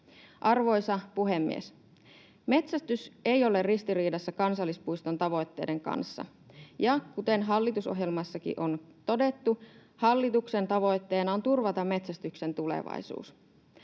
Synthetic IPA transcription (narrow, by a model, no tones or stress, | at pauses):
ʔɑrʋo̞jsɑpuɦe̞mːḭes | me̞t̪sæst̪ysejo̞le̞rrist̪iriːdɑsːɑkɑnsɑlːispuijst̪o̞nt̪ɑʋo̞jt̪ːe̞̰de̞ŋkɑ̰nsːɑ̰ | jɑkut̪e̞nɦɑlːit̪uso̞̰ɦjelmɑsːɑkḭʔo̞nt̪o̞de̞t̪ːu | hɑlːit̪ukse̞nt̪ɑʋo̞jt̪ːe̞ːnɑont̪urʋɑt̪ɑmːe̞t̪sæst̪ykse̞nt̪ulḛʋɑ̰jsṵːs